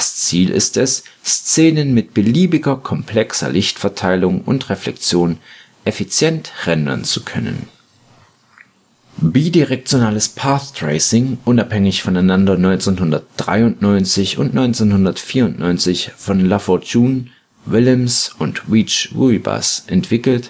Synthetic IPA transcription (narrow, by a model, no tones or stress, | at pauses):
d̥ast͡siːlʔɪ̰stɛsst͡seːnənmɪt̚b̥əliːbɪɡɐkʰɔmpʰl̥ɛksɐ̰lɪçtfɛɐtʰaɪlʊŋʊ̰ntʁeflɛk̚t͡sjoːn | ʔɛfit͡sjɛntʁɛndɐ̰nt͡sukʰœnə̰n | biːdiʁɛk̚t͡sjonaːləspʰaːθtʁ̥eɪsɪŋʔʊnaphɛŋɪçfɔnaɪnandɐnɔʏnt͡senhʊndɐt̚d̥ʁa̰ɪʊntnɔʏnt͡sɪçʊ̰ntnɔʏnt͡senhʊndɐtfiːɐʊntnɔʏnt͡sɪçfɔnlafɔt͡ʃuːn | vɪləmsʊntʁit͡ʃʁuiba̰sʔɛntv̥ɪkl̩t